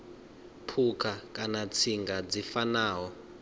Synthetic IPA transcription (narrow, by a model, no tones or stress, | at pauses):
pʰukʰakʼanat͡sʰiŋɡad͡zifanaːɦɔ